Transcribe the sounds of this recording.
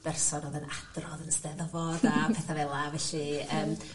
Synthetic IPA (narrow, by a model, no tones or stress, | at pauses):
b̥ɛrsɔnoːðənad̥rɔðənstɛðɔvɔdapʰɛθavɛlˠavɛɬiəːm